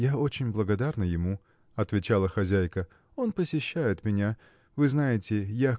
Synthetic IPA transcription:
jao̞t͡ɕɪnʲblˠəɡɐd̪arnɨjɪmu | ɐt̪vʲɪt͡ɕalˠəxɐzʲæjkə | o̞npəsʲɪɕːæjɪt̪mʲɪnʲa | vɨznajɪtʲɪja

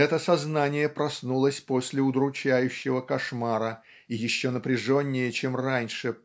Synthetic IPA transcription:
ɛt̪əsɐznanʲɪjəpɾɐsnulˠəsʲpo̞sʲlʲɪʊd̪ɾʊt͡ɕæjʉɕːɪvəkɐʂmaɾə | ijɪɕːo̞nəpɾʲɪʐonʲːɪjət͡ɕemranʲʂɨ

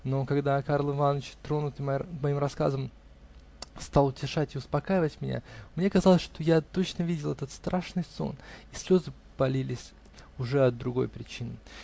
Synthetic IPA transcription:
no̞kaɡd̪akarlˠɪvanːət͡ɕt̪ɾo̞nʊt̪ɨmmɐimrɐska̰zəm | st̪alˠʊtʲɪʂatʲɪʊspɐkaɪvətʲmʲɪnʲa̰mnʲekɐzɑlˠəsʲʂt̪o̞jat̪o̞t͡ɕnəvʲidʲɪlˠɛt̪ət̪st̪ɾʔaʂnɨjso̞̰nisʲlʲo̞zɨ | pɐlʲilʲɪsʲ | ʊʐɛɐd̪ɾʊɡo̞jpɾʲɪt͡ɕinɨ

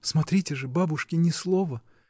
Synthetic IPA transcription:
smɐt̪ɾʲitʲɪʐɨbabʊʂkʲɪnʲɪslˠovə

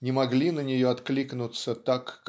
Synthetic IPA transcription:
nʲɪmɐɡlʲinənʲɪjoɐt̪klʲiknʊt̪sət̪akː

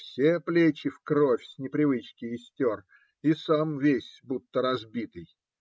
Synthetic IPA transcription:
fsʲeplʲet͡ɕɪfkɾofʲsʲnʲɪpɾʲɪvɨt͡ɕkʲɪjɪsʲtʲor | isamvʲesʲbut̪ːəɾɐzbʲit̪ɨj

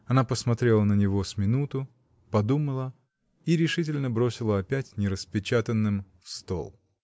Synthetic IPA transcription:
ɐnapəsmɐt̪ɾʲe̞lˠənənʲɪvo̞sʲmʲɪnut̪ʊ | pɐd̪uməlˠə | iɾʲɪʂɨt̬ʲɪlʲnəbɾo̞sʲɪlˠəɐpʲætʲnʲɪɾəspʲɪt͡ɕat̪ənːɨmfst̪o̰lˠ

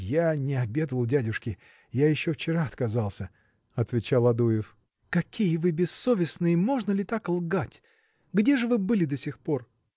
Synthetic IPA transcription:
janʲɪɐbʲe̞d̪əlˠʊdʲædʲʊʂkʲɪ | jajɪɕːoft͡ɕɪɾaɐt̪kɐzɑlˠsʲə | ɐt̪vʲɪt͡ɕalˠɐd̪ujɪf | kɐkʲijəvɨbʲɪsːo̞vʲɪsnɨjəmo̞ʐnəlʲɪt̪aklˠɡatʲ | ɡdʲe̞ʐɨvɨbɨlʲɪd̪ɐsʲɪxpo̞r

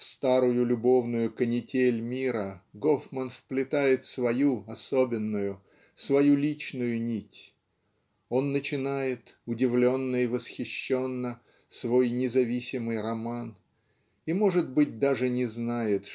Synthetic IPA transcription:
fst̪aɾʊjʊlʲʊbo̞vnʊjʊkənʲɪtʲelʲmʲiɾəɡofmənfplʲɪt̪ajɪt̪svɐjuɐso̞bʲɪnːʊjʊ | svɐjulʲit͡ɕnʊjʊnʲitʲ | o̞nːət͡ɕɪnajɪt̪ʊdʲɪvlʲo̞nːəivəsxʲɪɕːo̞nːə | svo̞jnʲɪzɐvʲisʲɪmɨjrɐman | imo̞ʐɨd̪̚bɨt̚ʲd̪aʐɨnʲɪznajɪt̪

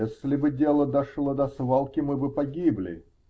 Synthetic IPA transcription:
esʲlʲɪbɨdʲelˠəd̪ɐʂlˠəd̪ɐsvalˠkʲɪmɨbɨpɐɡʲiblʲɪ̰

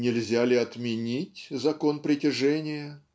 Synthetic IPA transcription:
nʲɪlʲzʲalʲɪɐt̪mʲɪnʲitʲzɐko̞npɾʲɪtʲɪʐɛnʲɪjə

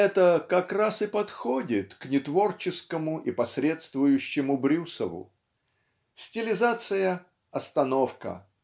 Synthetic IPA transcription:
ɛt̪əkɐkrasɨpɐt̪xo̞dʲɪt̪knʲɪt̪vo̞rt͡ɕɪskəmʊʔipɐsʲɾʲe̞t̪st̪vʊjʉɕːɪmʊbɾʲusəvʊ̰ | sʲtʲɪlʲɪzat̪sɨjə | ɐst̪ɐno̞fkə̰

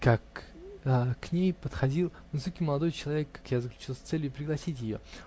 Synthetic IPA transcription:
kakəkːnʲejpət̪xɐdʲilˠ | vɨsokʲɪməlˠɐd̪ojt͡ɕɪlˠɐvʲekːḁkjazəklʲʉt͡ɕilˠsʲt̪sɛlʲjʊpɾʲɪɡlˠɐsʲitʲjɪjo̰

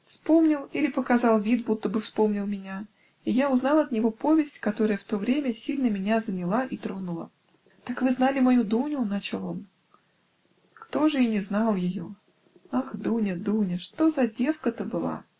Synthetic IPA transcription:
fspo̞mnʲɪlˠilʲɪpəkɐzɑlˠvʲit̪̚but̪ːəbɨfspo̞mnʲɪlˠmʲɪnʲa | ijaʊznɑlˠɐt̪nʲɪvo̞po̞vʲɪsʲtʲkɐt̪o̞ɾəjəft̪o̞vɾʲemʲəsʲilʲnəmʲɪnʲazənʲɪlˠaʔit̪ɾonʊlˠə̰ | t̪akvɨznalʲɪmɐjud̪unʲʊnat͡ɕɪlˠom | kt̪o̞ʐɨinʲɪznɑlˠjɪjo | axd̪unʲəd̪unʲəʂt̪o̞zɐdʲe̞fkət̪əbɨlˠa̰

